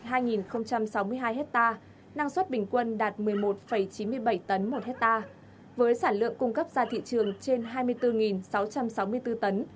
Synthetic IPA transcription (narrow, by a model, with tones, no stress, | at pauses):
haː˧jŋi˨˩nxə˧wŋ͡mt͡ɕa˧msa˨˦wmɨ˧əjɦaː˧jɦɛ˦˥k̚t̪aː˧ | na˧ŋswə˦˥t̚ɓï˨˩ŋ̟kwə˧nɗaː˨˩t̚mɨ˨˩əjmo˨˩t̚fə˧˩jt͡ɕi˨˦nmɨ˧əjɓə˧˩jt̪ə˨˦nmo˨˩t̚hɛ˦˥t̚t̪aː˧ | vəː˨˦jsaː˧˩nlɨ̰˧˨əŋkʊ˧ŋ͡mkə˦˥p̚zaː˧˩t̪ʰḭ˧˨t͡ɕɨ˨˩əŋt͡ɕe˧nɦaː˧jmɨ˧əjt̪ɨ˧ŋi˨˩nsa˨˦wt͡ɕa˧msa˨˦wmɨ˧ət̪ɨ˧t̪ə˨˦n